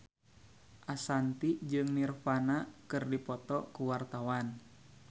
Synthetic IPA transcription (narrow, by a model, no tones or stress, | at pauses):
ʔasant̪id͡ʒɨŋnirfanakɨrdipɔt̪ɔkuwart̪awan